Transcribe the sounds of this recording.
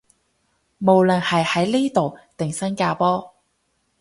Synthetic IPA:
mo˨˧wlɐ˨nhɐ˨jhɐ˨˥jliː˥t̪o˨wt̪ɪ˨ŋsɐ˥nkaː˧pɔː˥

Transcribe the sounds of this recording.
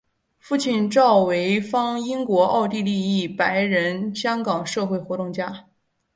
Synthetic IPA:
fu˥˧t͡ɕʰi˥˩nʈ͡ʂɑ˥˩ʊwe˧˥ɪfɑ˥ŋi˥ŋkwɔ˧˥ʔɑ˥˧ʊt̪i˥˧li˥˧i˥˩pa˧˥ɪɻə˧˥nɕjɑ˥ŋkɑ˨˩ŋʂɤ˥˧xwe˥˩ɪxwɔ˧˥t̪ʊ˥˧ŋt͡ɕja˥˩

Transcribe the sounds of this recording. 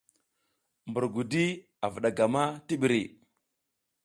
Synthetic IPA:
mbu˨ɾɡu˨di˦ | a˨vu˨ɗa˨ɡa˨ma˦ti˦ɓi˨ɾi˨

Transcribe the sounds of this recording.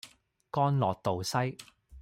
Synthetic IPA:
kɔː˥nlɔː˨k̚t̪o˨wsɐ˥j

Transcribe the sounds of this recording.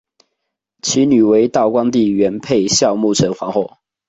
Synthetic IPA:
t͡ɕʰi˧˥ny˨˩we˧˦ɪt̪ɑ˥˨ʊkwa˥˦ŋt̪i˥˨ɥɛ˨˦npʰe˥˨ɪɕjɑ˥˧ʊmu˥˨˩ʈ͡ʂʰɤ˧˥ŋfwɑ˧˥˦ŋxwɔ˥˩

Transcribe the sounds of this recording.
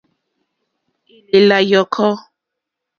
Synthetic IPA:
e˨le˨la˨jɔ˨kʰɔ˦

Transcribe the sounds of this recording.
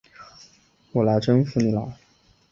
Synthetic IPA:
wɔ˨˩la˧˥ɪʈ͡ʂə˥nfu˥˩ni˨˩la˧˥˦

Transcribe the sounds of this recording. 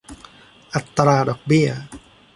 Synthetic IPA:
ʔa˨˩t̪ːɾaː˧dɔː˨˩k̚bi˥˩ɐ

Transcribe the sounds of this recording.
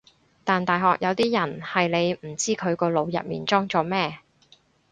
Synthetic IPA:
t̪aː˨nt̪aː˨jɦɔː˨k̚jʔɐ˨˧wt̪iː˥jɐ˨˩nhɐ˨jle˨˧jm̩˨˩t͡siː˥kʰɵ˨˧ɥkɔː˧lo˨˧wjɐ̰˨p̚mḭː˨˩nt͡sɔː˥ŋt͡sɔː˨˧mɛː˥

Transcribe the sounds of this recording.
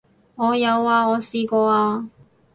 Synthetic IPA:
ŋɔː˨˧jɐ˨˧waː˧ɔː˨˧siː˧kɔː˧aː˧

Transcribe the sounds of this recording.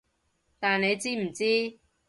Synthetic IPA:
t̪aː˨nne˨˧jt͡siː˥m̩˨˩t͡siː˥

